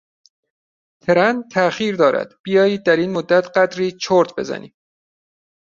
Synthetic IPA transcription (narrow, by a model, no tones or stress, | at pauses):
t̪ʰeɾænt̪ʰæxiːɾd̪ɒːɾæ̰d̪̥b̥ijɒːjiːd̪̚ːæɾiːnmod̪ːæt̪ʰɢæd̪ɾiːt͡ʃʰoɾt̪ʰbe̞̰zæ̰nḭː